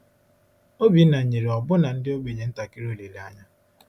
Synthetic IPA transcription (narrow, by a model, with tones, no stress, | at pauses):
o˦bi˨˦na˨ɲ̩˨ɲe˨ɾe˨ɔ˨bʊ˦na˨n̩˦dɪ˦o˦ɡ͡be˨ɲe˨˦n̩˦ta˨ki˦ɾo˦˨le˨la˦ɲa˦